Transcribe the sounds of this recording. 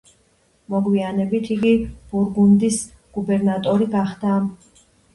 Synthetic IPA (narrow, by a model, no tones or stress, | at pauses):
mɔɡwianɛbit̪ʰiɡib̥uɾɡund̪is | ɡ̥ubɛɾnat̪ʼɔɾiɡaχd̪am